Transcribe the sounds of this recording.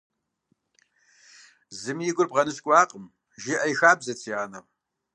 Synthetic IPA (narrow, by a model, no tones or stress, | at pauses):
zɨmjɪɡʷʊrbʁɐnɨskʷʼɑːqʼəm | ʒɪʔɐjxaːbzɐt͡sʰiaːnɐm